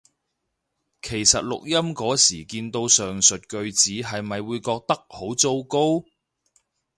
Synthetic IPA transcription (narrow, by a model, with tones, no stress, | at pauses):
kʰe˨˩jsɐ˨t̚lʊ̰˨k̚jɐ˥mkɔː˨˥siː˨˩kiː˧nt̪o˧wsœː˨ŋsɵ˨t̚kɵ˧ɥt͡siː˨˥ɦɐ˨jmɐ˨jwuː˨˧jkɔː˧k̚t̪ɐ˥k̚ho˨˥wt͡so˥wko˥w